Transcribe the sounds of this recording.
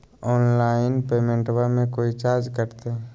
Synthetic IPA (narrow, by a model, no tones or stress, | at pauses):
ɔːnlaːɪnpeːmẽɳʈwəmẽkoːit͡ʃaːɾd͡ʒkəɾt̪e